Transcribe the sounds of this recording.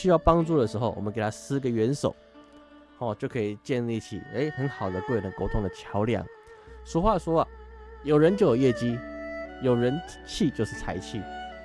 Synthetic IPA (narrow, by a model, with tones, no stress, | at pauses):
ɕy˥jɑ˥˩ʊpɑ˥ŋʈ͡ʂu˥˩d̪ə˩ʂɻ̩˧˥xo˥˧ʊʔɔ̰˨mə˦k̪ʰa˥sɹ̩˧˥ɡə˨ɥɛ˧˦˥nso˨˩˦ʊ | hɔ˥˨˩t͡ɕjo˥˩ʊkʰɤ˧˥i˨˩t͡ɕjɛ˥˧nli˥˧˩t͡ɕʰḭ˨˩e˧˥ɪxə˧˦nxɑ˨˩ʊd̪ə˦k̪we˥˩ɪlə˨˦ko˧˥ʊt̪ʰʊ˧˥ŋd̪ə˨t͡ɕʰjɑ˧˥ʊljɑ̰˨˩˦ŋʂwɔ˧˥xwa˥˩ʂwɔ˥ɐ˨jo˨˩ʊɻə˧˦nt͡ɕjo˥˩ʊjo˨˩jɛ˥˩t͡ɕi˥jo˨˩ʊɻə˧˦n | t͡ɕʰi˥˧t͡ɕjo˥˧ʂ̩˥˩t͡sʰa˧˩ɪt͡ɕʰi˥˩